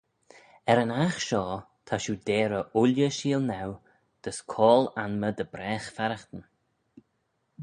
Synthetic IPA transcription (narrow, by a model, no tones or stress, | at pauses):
ɛɾənaxʃɔː | t̪ʰaʃud̪eːɾəʔʊlʲjəʃiːlnaw | d̪̥əskʰɔːlanməd̪əbɾɛːxfɛɾəxt̪ən